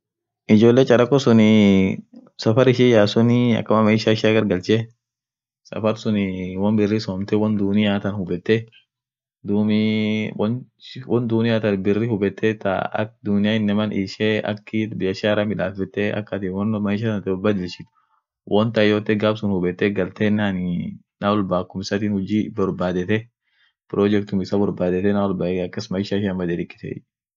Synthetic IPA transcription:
ʔɪd͡ʒoːlːeːt͡ʃʼɐɾɐkːɔsʊnɪ | sɐfɐɾɪʃɪjaːsʊnɪɐ̰kːɐmɐmɐɪʃaɪʃaːɡɐɾɡɐlt͡ʃɛ | sɐ̰fɐɾsʊnɪwɐnbɪrːisɔːmt̪ɛwɐnd̪ʊnɪjaːt̪ɐnhʊbɛt̪ːɛ | d̪umwnwɔnd̪uːnɪjat̪ɐnbɪrːihʊbɛt̪ːɛt̪a̰ɐ̰k̚d̪ʊnɪjaːɪnːɛmɐnʔiːʃeɐ̰kːɪbɪjɐʃaːɾɐmɪᶑa̰ːfɛt̪ːɛɐ̰kːɐt̪iːwɔnmɐʃɐɐnt̪bɔlbaːd̪ɪlt͡ʃːɪ̥t̪ | wʔɔnt̪ɐɪjoːt̪ːɛɡaːbsʊnhʊbɛt̪ːɛɡɐlt̪eːnːaːn | nawɔlbaːkːʊmɪsat̪iːnhʊd͡ʒiːbɔɾbaːd̪ɛt̪ɛ | pɾod͡ʒɛkt̪ʊmɪsabɔɾbaːd̪ɛt̪ɛnawɔlbaːɐkːɐsmɐjɪʃaɪʃɐmbɐd̪eːd̪ɪkʼːɪ̥t̪ḛː

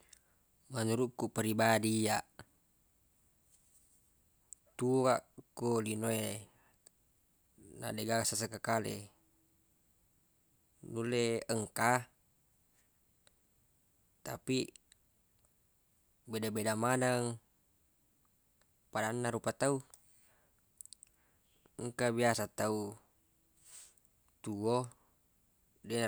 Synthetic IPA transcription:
manuɾukːupəɾibadijaʔ | t̪uaʔkolinoe | na̰deɡasas̬akakalḛ | nuleəŋka | t̪api | bɛdabedamanaŋ | padanːaɾupat̪au | əŋkabiasat̪au | t̪uo | din

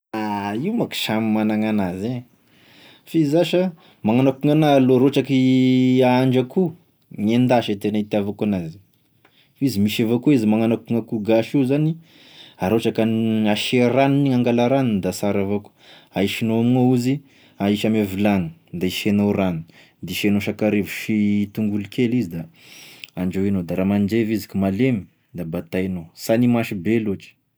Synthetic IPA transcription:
aiwmaki̥ʃamimanaŋanaze | fizaʃə | maŋanakuŋanaːloɾoʈ͡ʂakiaaɳd͡ʒaku | ɲend̪aʃet̪enait̪iavakanazi̥ | izimiʃavokuizimaŋanakuŋakuɡaʃiuzani | aɾoʈ͡ʂakanaʃeranuniŋaŋɡalaɾanind̪asaɾavoku̥aiʃinoamiŋouzi | aiʃamevilanu̥d̪aiʃenoɾani | d̪iʃenoʃakaɾevuʃit̪uŋɡulukʰelizid̪a | aɳd͡ʒowinod̪aɾamand͡ʒevizi̥kumalemi̥ | d̪abat̪ainosanimaʃibeloʈ͡ʂi̥

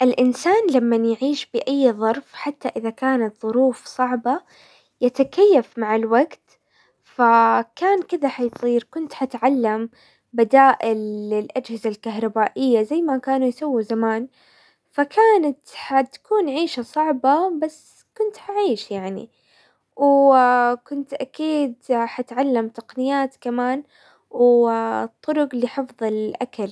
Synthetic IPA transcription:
ʔɪlʔɪnsaːnlamːanjʕiːʃbɪʔajːðˤɑɾˤfħat̪ːaʔɪðakaːnat̪ðˤʊɾuːfsˤɑʕbɑ | jat̪akajːafmaʕɪlwaɡt̪ | fakaːnkɪðaħajsˤiːɾkʊnt̪ħat̪ʕalːam | bad̪aːʔɪlɪlʔad͡ʒhɪzalkaɦɾˤɑbaːʔɪjːazajːmakaːnujsawːizamaːn | fakaːnat̪ħat̪kuːnʕiːʃasˤɑʕbɑbasː | kʊnt̪ħaʕiːʃjaʕnḭ | w | kʊnt̪ʔakiːd̪ħat̪ʕalːamt̪ɑqnɪjaːt̪kamaːn | wt̪ˤːʊɾʊqliħɨfðˤɪlʔakal

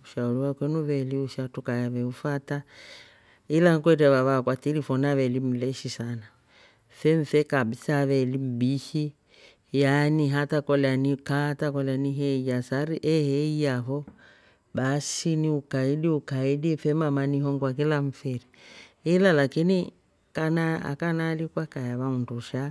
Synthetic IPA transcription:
uʃauliwakwɛnuβɛliuʃatukajaβɛufata | ilaŋkwɛtɛβaβakwatilifɔnaβɛlim̩lɛʃisana | fɛɱ̩fɛkabisaβɛlim̩bihi | janiɦatakɔlɛanikatakɔlaniɦɛijasaɾiʔɛhɛijaɦɔ | ɓasiniukaiɗiukaidifɛmamaniɦɔŋɡwak̬ilaɱ̩fɛɾiilalakini | kana̰kanalikwakajaβaunduʃa

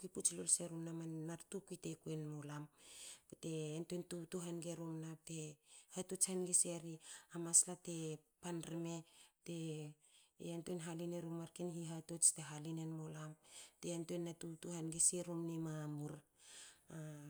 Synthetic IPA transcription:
kuiput͡ʃlolseɾumnamanːaɾtukuite̞kuenmolampete̞ːntontutuɦanɡeɾumnap̚te̞hatot͡ʃhanɡiseɾiamaslate̞panɾeme̞te̞ | entoenɦalineɾumaɾkenhiɦatot͡ʃte̞ɦalinenmolamteentoenːatutuhanɡiseɾumnemamuɾ | a

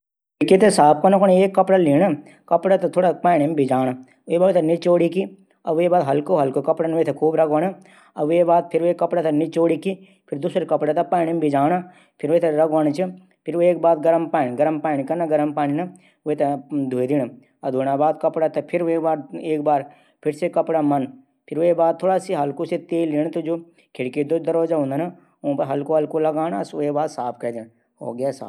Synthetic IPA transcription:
ikit̪ʰesaːp̚kɐnokoneːkːɐpɽaliːɳɐ | kɐpɽat̪ɐt̪ʰoːɽapaːɳimbʱid͡ʒaːna | ebaot̪ʰɐnit͡ʃoːɽiki | ɐebaːd̪ɦɐlkoɦɐlkokɐpɽanʋet̪ʰekʰuːbɾɐɡʋɐnɐ | ɐebaːd̪̚pʰɪɾeːkːɐpɽat̪ʰɐnit͡ʃoːɽiki | pʰɪɾd̪uːsɾekɐpɽat̪ɐpaːɳimbʱid͡ʒaːna | pʰɪɾʋojt̪ʰeɾɐɡʋɐnt͡ʃʰɨ | pʰɪɾoeːk̚baːd̪ɡɐɾəmpaːnɡɐɾəmpaːñikɐnaɡɐɾəmpaːninɐ | oet̪ɐd̪ʱuːed̪in | ɐd̪ʱuːɽaːbaːd̪̚kɐpɽat̪ɐpʰɪɾeːkbaːɾeːkbaːɾ | pʰɪɾsekɐpɽamɐn | pʰɪɾʋoebaːd̪̚t̪ʰːoːɽaːsiɦɐlkoset̪eːlːiːñt̪od͡ʒoː | kʰɪɽkid̪od̪ɐɾoːd͡ʒaːɦũnd̪anɐ | õpɐɦɐlkoɦɐlkolɐɡaːnaɐsoebaːd̪saːpʰkɐd̪in | o̰ːɡjasa̰ː

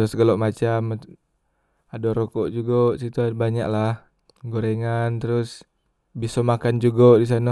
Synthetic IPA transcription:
ɾʊsɡəloʔmat͡ʃam | adoɾokɔʔd͡ʒuɡosit̪ubaɲa̰klah | ɡoɾeŋant̪əɾʊs | bisomakand͡ʒuɡoʔdis̬ana

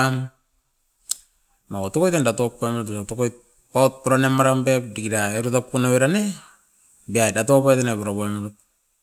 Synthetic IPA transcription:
m | makotokojtendatop̚ːomɾutusaotokojt̚ | ot̚puɾanemaɾambep̚dikiɾaeɾutapːunaβeɾane | biaedatopajtenepuɾaβomɾut̚

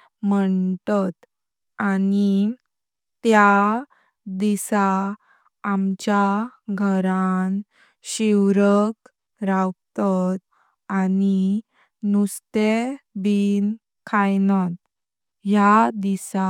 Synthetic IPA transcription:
məɳt̪at̪ | ani | t̪ja | d̪isaː | mt͡ɕjaɡʱəɾan | ɕiwɾək | ɾawt̪at̪ | ani | nust̪ebin | kʰajnat̪̚ | jad̪isa

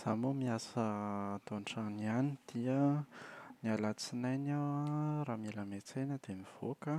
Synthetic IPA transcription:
z̥amomiasət̪oɳʈ͡ʂanianid̪̥iə | nialat͡sinajnawaraːmelamet͡senəd̪̥emiv̥okə

